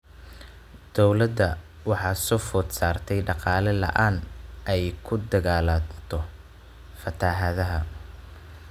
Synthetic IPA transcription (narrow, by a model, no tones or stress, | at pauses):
d̪̥ɔwlɐd̪ɐ | wɑħɑːsɔfɔd̪saːrt̪ʰɛjɖɑqɑːlɛlɐ̰ʔaːnɛjkʰʊd̪ɐɣaːlat̪ʰɔ | fɐt̪ʰaːɦɐðɐɦɐ